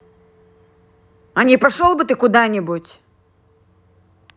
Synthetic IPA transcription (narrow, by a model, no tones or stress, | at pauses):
ɐnʲipɐʂɔlˠbɨt̪ɨkʊd̪anʲɛbut͡sʲ